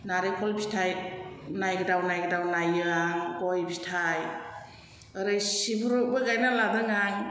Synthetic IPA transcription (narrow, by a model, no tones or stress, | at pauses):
naɾekʰɔlbistʰajnajɡadawnajɡdawnajɯaŋɡɔjbistʰaj | əɾɯjsibuɾubɯɡajnaladɯŋaŋ